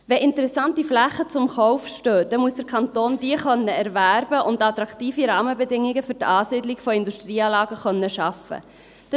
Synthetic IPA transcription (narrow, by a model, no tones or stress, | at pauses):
vɛʔɪntəɾɛsɑntiflæχət͡sʊmχɔʊfʃtøːd̥ɛmuəsd̥əɾkʰɑnt̪oːnd̥iəχœnːəæɾvæɾbəʔʊntɑt̪ɾɑkt̪iːfiɾɑːməbɛdɪŋːiɡəfɵɾtɑːsiːdliɡfɔɪnduʃtriːɑːlɑːɡəχœnːəʃɑfə̰ | d̥